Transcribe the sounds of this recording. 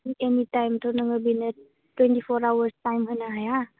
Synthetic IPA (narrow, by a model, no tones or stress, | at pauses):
ŋemitajmtʰownaŋabinə | twentipʰɔɾawaɾstajmɦɯjnaɦaja